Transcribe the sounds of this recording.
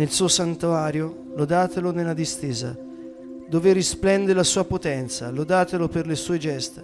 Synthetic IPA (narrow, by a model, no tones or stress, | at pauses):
nelsuːosant̪uaːɾjo | lod̪aːt̪elonelːad̪ist̪eːza̰ | d̪oːveɾisplɛnd̪elasuːapot̪ɛnt̪sa̰lod̪aːt̪eloperlesuːed͡ʒɛst̪e